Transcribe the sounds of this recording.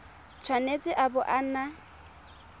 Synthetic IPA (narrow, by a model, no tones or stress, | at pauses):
t͡sʰwanet͡sʼɪʔabʊʔana